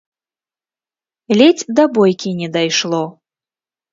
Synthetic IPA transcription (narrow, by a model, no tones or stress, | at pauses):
lʲɛt͡sʲd̪ɐbɔjkʲinʲɛd̪ajʂlˠɔ